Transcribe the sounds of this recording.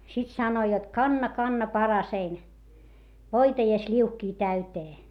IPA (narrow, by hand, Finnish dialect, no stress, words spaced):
sit sɑnoi jot kɑnːɑ kɑnːɑ pɑrɑsein ʋoitɑ jɑ slʲiuhkiː tæyteː